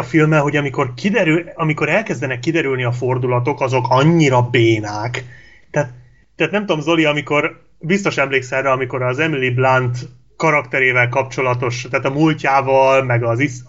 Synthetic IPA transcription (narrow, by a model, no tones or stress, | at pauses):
filmɛlɦo̞ɟɒmiko̞rkid̪ɛɾyɒmiko̞ɾɛlkɛzd̪ɛnɛkːid̪ɛɾylniɒfo̞rd̪ulɒt̪o̞kɒzo̞kɒɲːiɾɒbeːnaːk | t̪ɛːt̪ | t̪ːɛːt̪nɛmt̪umzo̞liɒmiko̞r | bist̪o̞ʃɛmleːksɛrːɛɒmiko̞ɾɒzɛmiliblant̪ | kɒɾɒkt̪ɛɾeːvɛlkɒp̚t͡ʃo̞lɒt̪o̞ʃt̪aːt̪ɒmulcaːvɒlmɛɡɒzis